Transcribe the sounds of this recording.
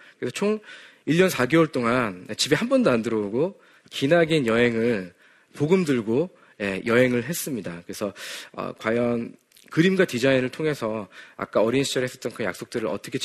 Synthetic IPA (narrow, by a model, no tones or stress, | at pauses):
kɯɾe̞sʰʌt͡ɕʰoŋ | iʎːʌnsʰaɡewʌɭt͈oŋanet͡ɕibeɦambʌndomandɯɾʌuɡo | kinaɡinjʌɦe̞ŋɯɭ | poɡɯmdɯɭɡo | je̞jʌɦe̞ŋɯɭɦe̞s͈ɯmɲidakɯɾe̞sʰʌʌ̰kwajʌn | kɯɾimɡatid͡ʑainɯɭtʰoŋe̞sʰʌa̰k͈aʌɾinɕʰi̥t͡ɕʰʌɾɯɦes͈ʌt͈ʌnkʰɯnja̰ks͈ok̚t͈ɯɾɯɾʌ̰t͈ʌkʰe̞t͡ɕ